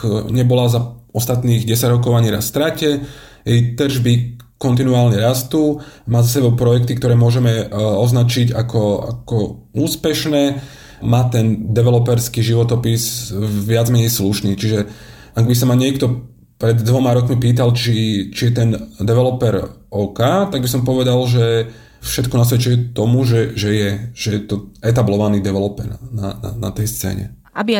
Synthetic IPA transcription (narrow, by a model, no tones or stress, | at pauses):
ɲɛbɔlazaɔst̪at̪niːɣɟɛsaɟɾɔk̬ɔʊaɲiɾasst̪ɾacɛ | jɛjt̪rʒbikɔnt̪̬inuaːlɲɛɾast̪uːmaːzasɛbɔʊpɾɔjɛkt̪ikt̪ɔɾɛːmʊɔʒɛmɛɔznat͡ʃiɟakɔa̰kɔuːspɛʃnɛː | maːt̪ɛnd̪ɛʋɛlɔpɛɾskiːʒiʋɔt̪ɔpisʋɪad͡zmɛɲɛjsluʃniːt͡ʃiʒɛ | aɡbis̬amaɲɪɛkt̪ɔ | pɾɛd̪ːʋɔmaɾɔkmipiːt̪alt͡ʃit͡ʃijɛt̪ɛnd̪ɛʋɛlɔpɛɾɔkaːt̪aɡ̚bisɔmpɔʋɛd̪alʒɛ | fʃɛt̪kunas̬ʋɛt͡ʃɛɛt̪ɔmuʒɛʒɛjɛʒ̥ɛjɛt̪ɔɛt̪̬ablɔʋaniːd̪ɛʋɛlɔpɛ̰ɾna̰na̰na̰t̪ɛjst͡sɛ̰ːɲɛ̰ | abi